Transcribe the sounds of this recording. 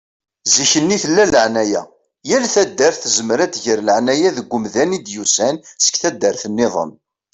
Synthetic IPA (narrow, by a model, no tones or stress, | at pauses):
ziçənːiθəlːæləʕnæjæ | jælθæd̪ːəɾθəzəmɾæt̪ʝəɾləʕnæjæðəɡʷːʊmðænid̪jusænsə̥kθæd̪ːəɾθənːeðˤə̰n